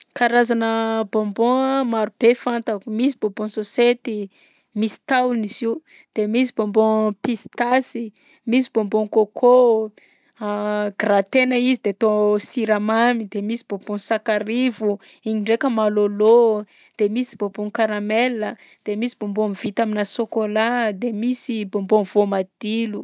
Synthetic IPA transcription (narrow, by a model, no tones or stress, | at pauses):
kaɾazanəbõmbõmaɾub̥efant̪akumisibobõnsoset̪i | misi̥t̪awniziw | d̪̥emis̬ibombõpist̪asi | misibombõŋkokʰo | ɡrat̪enəizid̪et̪osiɾamamid̪emisib̥obõnsakaɾivu | iɲiɳɖ͡ʐekəmalolo | d̪̥emisi̥boboŋkaɾamelə | d̪̥emisibombonvit̪aminasokolad̪emisibombonvomad̪̥ilu